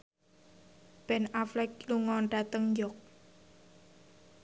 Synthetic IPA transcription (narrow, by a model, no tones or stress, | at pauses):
b̥ɛnaflɛk̚luŋɔnɖat̪əŋɲd͡ʒɔk̚